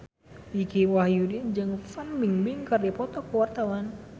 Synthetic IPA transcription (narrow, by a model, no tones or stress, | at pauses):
ikiwahjudind͡ʒɨŋfanmiŋbiŋkərdipɔt̪ɔkəwart̪awan